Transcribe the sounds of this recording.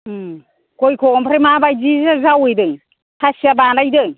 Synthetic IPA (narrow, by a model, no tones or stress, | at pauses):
kojkʰɔmpʰɾemabajzizazawɯjdɯj | kʰasiabanajdɯj